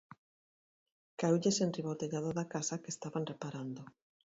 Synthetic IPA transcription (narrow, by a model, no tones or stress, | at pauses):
kaewʎesenriβot̪eʎaðoðakasakest̪aβanrepaɾand̪o